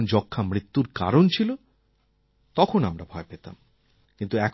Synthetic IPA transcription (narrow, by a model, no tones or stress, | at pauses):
nd͡ʑɔkʰːamɾit̪ːuɾka̰ɾont͡ɕʰilo | t̪ɔkʰonamɾabʱɔepet̪a̰m | kint̪uɛkʰ